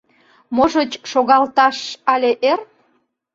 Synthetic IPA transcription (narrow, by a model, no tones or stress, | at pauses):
moʒət͡ɕʃoɣɑlt̪ɑʃɑlʲeʔer